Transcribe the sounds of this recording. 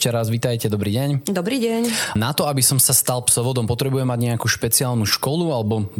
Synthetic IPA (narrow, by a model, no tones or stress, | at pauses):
t͡ʃɛɾazʋiːt̪ajcɛd̪ɔbɾiːɟɛɲd̪ɔbɾiːɟɛɲnat̪ɔabisɔmsast̪alˠpsɔʋɔd̪ɔmpɔt̪ɾɛbujɛmːaɟɲɛakuːʃpɛt͡siaːlˠnuʃkɔlualɛbɔ